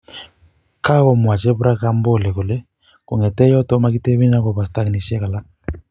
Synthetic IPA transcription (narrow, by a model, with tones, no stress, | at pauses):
ka˦ɣɔ˨mwa˨t͡ʃɛ˦bu˦ɾa˦ka˦mbɔ˦˨lɛ˨kɔ˨lɛ˦ | ku˨ŋɛ˨tɛ˦jɔ˦tɔ˦ma˦ki˦tɛ˦βi˦n˦a˦kɔ˨βa˨sta˦kni˨ʃɛ˦ka˨la˦